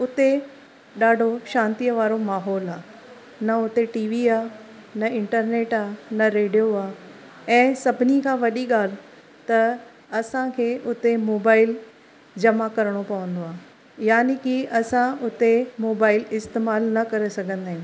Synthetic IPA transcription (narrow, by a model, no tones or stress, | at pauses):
ʊt̪e | ɗaːɖʱoʃãːnt̪ijəʋaːɾomaːɦɔːlaː | nɐʊt̪eʈiːʋiaːnɐɪ̃ɳʈəɾneːʈaːnɐɾeːɖijoaː | ɛ̃ːsɐbʱɪnikʰãːʋɐɗiɠaːl̤ | t̪ɐ | ɐsãkʰeːʔʊt̪emoːbaːɪl | d͡ʑɐmakɐɾɽ̃opɐʋə̃nd̪oaː | jaːnikiʔɐsãʊt̪emoːbaːɪlɪst̪eːmaːlnɐkɐɾesɐɡʱə̃nd̪aːɦɪ̃